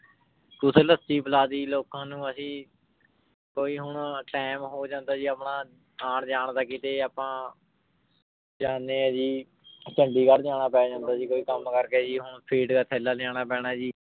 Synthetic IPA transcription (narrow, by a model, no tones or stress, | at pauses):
t̪ʊseːləst̪iːbəlaːd̪iːloːkãːnũːəsĩː | koːiːɦʊɳʈɛːmɦoːd͡ʒãːnd̪aːd͡ʒiːaːpɳaː | aːɳd͡ʒaːɳd̪aːkɪt̪eːaːpãː | d͡ʒaːneːɛ̃ːd͡ʒiː | t͡ʃəɳɖiːkəɽd͡ʒaːɽ̃aːpɛːd͡ʒãːnd̪aːd͡ʒiːkoːiːkəmkəɾkeːd͡ʒiːɦʊɳpʰiːɖkaːt̪ʰɛːlaːlɪaːɽ̃aːpɛːɽ̃aːd͡ʒiː